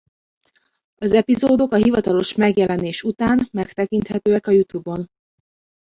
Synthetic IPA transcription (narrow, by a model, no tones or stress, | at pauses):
ɒzɛpizoːd̪o̞kɒɦivɒt̪ɒlo̞ʃmɛɡjɛlɛneːʃut̪aːnmɛkt̪ɛkint̪hɛt̪øːɛkɒjut̪ubo̞n